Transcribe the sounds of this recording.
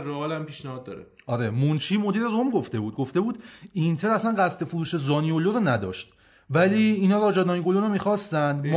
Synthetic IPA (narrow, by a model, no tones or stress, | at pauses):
roɒːlæmpiːʃnæhɒːd̪̚ːɒ̰ːɾḛ | ɒɾemunt͡ʃʰiːmo̞d̪iːɾeɾomɡo̞ft̪e̞buːd̪̚ɡoft̪e̞buːd̪int̪ʰeɾæslænɢæst̪ʰe̞fuɾuːʃe̞zɒːnioloɾonæd̪ɒ̰ːʃt̪ | væliːnhɒːɾɒːd͡ʒɒd̪nɒːjiŋɡolonomiːxɒːst̪ænd̪m